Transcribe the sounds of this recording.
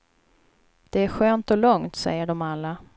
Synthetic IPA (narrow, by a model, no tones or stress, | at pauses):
d̪̥ɛæɾɧøːnt̪ɔlɔŋt̪sɛ̰jːəɖɔmalːa